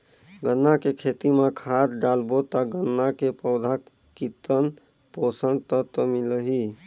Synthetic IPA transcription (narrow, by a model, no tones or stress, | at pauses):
ɡənːakekʰet̪imakʰad̪ɖalbot̪aɡənːakepəʊd̪ʱa | kit̪ən | posəɳɖt̪ət̪əmiləɦi